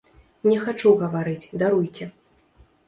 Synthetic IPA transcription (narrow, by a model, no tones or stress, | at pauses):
nʲɛxat͡ʂuɣɐvaɾɨt͡sʲd̪aɾujt͡sʲɛ